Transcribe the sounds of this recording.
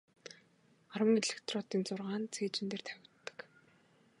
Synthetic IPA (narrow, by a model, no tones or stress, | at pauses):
aɾwə̆ŋeɮɪ̆kt̪rɔːt̪iːnt͡sʊrʁaːnt͡sʰeːt͡ɕɪ̆nt̪eːrt̪ʰæwʲɪ̆t̪ːə̥̆k